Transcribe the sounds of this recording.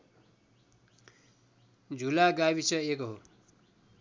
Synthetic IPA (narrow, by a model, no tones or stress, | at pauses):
d͡zʱulaɡawit͡sʌekoɦo